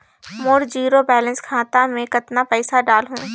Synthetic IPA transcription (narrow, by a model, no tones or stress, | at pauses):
moːɾd͡ʑiːɾobɛːlə̃nskʰãːt̪amẽkɐt̪napɛɪsaɖaːlɦṵ̃ː